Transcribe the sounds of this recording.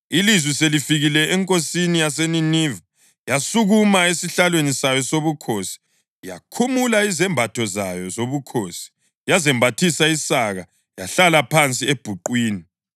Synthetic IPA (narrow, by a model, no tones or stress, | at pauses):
ilizwiselifiɣilɛɛŋkʼosinijaseniniva | jasuɣumaesiɬalwenisajɔsoβukʰoːsi̥ | ja̰kʰumulaizɛmbʱatʰɔzajɔzoβukʰoːsi̥ | jazɛmbʱatʰisaisaɣa | jaɬalapʰant͡sʼieb̥ʱuǃwiːni